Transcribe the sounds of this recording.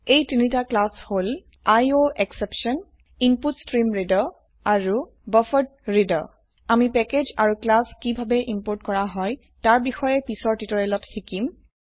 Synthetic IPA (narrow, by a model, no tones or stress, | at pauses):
ejtinitaklashol | ajoʔeksepʃɔn | imputstɹimɹidɔ | aɹu | bɔfɔd̚ɹidɔ̰ | amipɛked͡ʒaɹuklaskibʱabɛʔimpoɹtkɔɹaɦɔj | taɹbixɔjɛpisɔɹtitɔɹɛlɔtxikim